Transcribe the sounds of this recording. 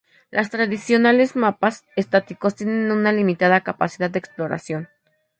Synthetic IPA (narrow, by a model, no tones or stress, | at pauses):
lʔast̪ɾaðisjo̞nale̞zmapasest̪at̪iko̞st̪jenenunalimit̪aðakapasiðad̪d̪eksplo̞ɾa̰sjo̞n